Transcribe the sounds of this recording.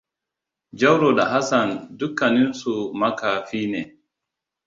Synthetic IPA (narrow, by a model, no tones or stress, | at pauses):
d͡ʒawɾɔɗaɦasandukːaninsumakafiːnɛ